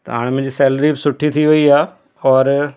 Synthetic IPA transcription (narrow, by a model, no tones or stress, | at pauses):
t̪ɐ̰ɦa̰ːɽ̃mɪ̃d͡ʑiːsɛːlɾibɪsʊʈʰit̪ʰiʋɐiaː | ɔːɾ